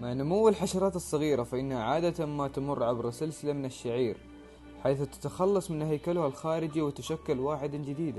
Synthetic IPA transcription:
maʕnʊmʊwːalħaʃɑɾˤɑːt̪ɑsˤːɑɣiːɾafaʔɪnːhaʕaːd̪at̪amat̪amʊrːʕabɾsɪlsɪlamɪnaʃːaʕiːɾ | ħajθt̪ḁt̪axɑlːɑsˤmɪnhajkalhalxaːɾɪd͡ʒiwɪt̪aʃakːʊlwaːħɪd̪and͡ʒɪd̪iːd̪a

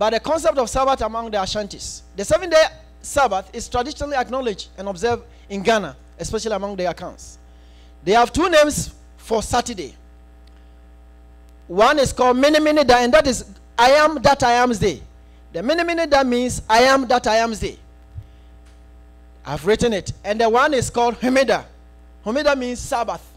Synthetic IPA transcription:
b̥at̚dðəkʰɔ̃ns̬ɛp̚tɔv̥sabaθamɔ̃ŋdəaʃãntisðəsɛvɛ̃nde | sabaθɪstɹ̥adiʃɔnaliaknɔlɪd͡ʒɛ̃nɔbzɛv | ĩnɡana | ɛspɛʃaliamɔ̃ŋdəakʰãʊ̃nts | deav̥tunẽms | fɔsatədḛ | wãnɪskɔlˠd̚miniminidaɛ̃ndatɪz | aɪãmdataɪãmsde | ðəminiminidamĩnsaɪãmdatajãmsdḛ | ʔa̰ɪvɹitnɪtɛ̃ndəwãnɪskɔlˠd̚humida | humidamĩnssabaθ

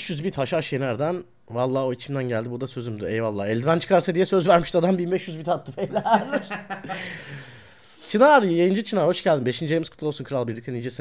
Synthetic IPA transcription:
ʃjyzbit̪haʃaʃjenæɾd̪æn | valˠːaːo̞it͡ʃʰimd̪ænɟælʲd̪ibuɾd̪asø̞zymd̪yɛjvalˠːaːɛlʲd̪ivænt͡ʃʰɯ̥kʰaɾsad̪ijɛsø̞zvæɾmiʃd̪ad̪ambinbɛʃjyzbit̪hat̪ʰːɯfejlʲæɾ̥ | t͡ʃʰinaɾjejɯnd͡ʒɯt͡ʃʰɯnaːɾho̞ʃɟælʲd̪imbe̞ʃind͡ʒejmiskʰu̥t̪lˠolˠsunkʰɯɾalˠbiɾlʲic̚t̪ʰæniːd͡ʒesi

